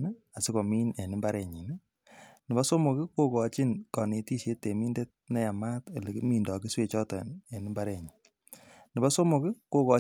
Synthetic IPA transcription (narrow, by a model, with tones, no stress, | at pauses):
n˦ | a˨sɪ˦ko˨miː˦ne˨ni˦mba˦ɾe˨ɲi˨n˦ | nɪ˨ba˦so˦mo˨kɪ˦ko˦kɔ˨t͡ʃi˦nkɔ˨ne˨ti˦ʃe˦te˨mi˦nde˦t̚nɛ˦ja˨ma˦te˨le˨ki˦mi˨ndɔ˨ki˦swe˦˨t͡ʃɔ˦tɔ˨ne˨ni˦mba˦ɾɛ˨ɲi˨ | nɪ˨ba˦so˦mo˨kɪ˦ko˦kɔ˨